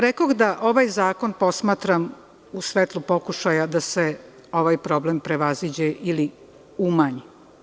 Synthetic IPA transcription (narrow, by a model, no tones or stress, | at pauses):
ɾekoɡd̪aʔo̞ʋajzaːko̞npo̞smaːt̪ɾam | usʋet̪lˠupo̞kuʃajad̪ase | o̞ʋajpɾo̞blempɾeʋazid͡ʑeʔili | umaɲi